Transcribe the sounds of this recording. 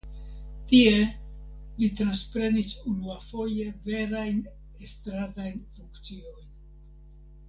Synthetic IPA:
tie̞ | lit̪ɾanspɾe̞nisunuafo̞je̞ve̞ɾajn | est̪ɾadajnfuŋkt͡sio̞jn

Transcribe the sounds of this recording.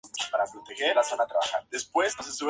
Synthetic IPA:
paɾapɾot̪exe̞ɾlasanat̪ɾaβaxaɾd̪e̞spwe̞sosesuβ

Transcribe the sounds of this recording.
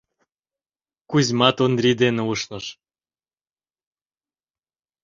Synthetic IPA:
kuzʲmɑt̪onrʲid̪eneuʃnəʃ

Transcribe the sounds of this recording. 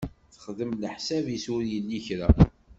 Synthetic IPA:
θə̥χðəmləħsævjisʊɾjəlːiçɾæ

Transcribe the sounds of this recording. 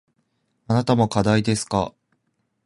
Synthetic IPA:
anat̪amo̞kad̪aid̪e̞sɨ̥ka̰

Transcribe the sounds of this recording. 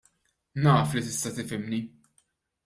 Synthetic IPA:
nɐːflit̪ɪst̪ɐt̪ɪfɪmni

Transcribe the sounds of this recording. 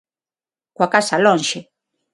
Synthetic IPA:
kwakasalɔnʃɛ

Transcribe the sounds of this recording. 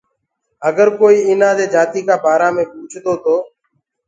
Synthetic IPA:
əɡəɾkoːiːɪnãːd̪eːd͡ʒaːt̪iːkaːbaːɾaːmẽːpuːt͡ʃʰt̪oːt̪oː

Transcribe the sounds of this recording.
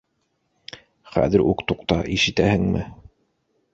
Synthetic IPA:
χæ̰ðɘɾukt̪uqt̪ɑʔiʃɘ̆t̪æhɘŋmɘ

